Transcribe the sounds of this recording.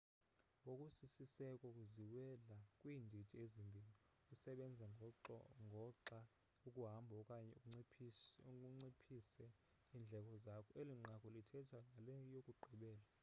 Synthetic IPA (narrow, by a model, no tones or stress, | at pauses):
ɓokʼusisisɛkʼɔkʼuziwɛlakʼwiːndʱi̥tʼiezimbʱili | kʼusɛɓɛnd͡zʱaŋŋʱɔǁa | ukʼuɦambʱɔkʼaɛŋ͡ǀʰ | kʼuŋ͡ǀipʰisɛ | iːnd͡ɮʱɛk̬ʰʼɔzakʰɔeliŋ͡ǃakʰʼɔlitʰɛtʰaŋalɛjokʼuɡ͡ǃʱiɓɛːla